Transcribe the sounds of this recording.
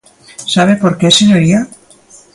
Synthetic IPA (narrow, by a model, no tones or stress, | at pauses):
saβepoɾkeseɲoɾia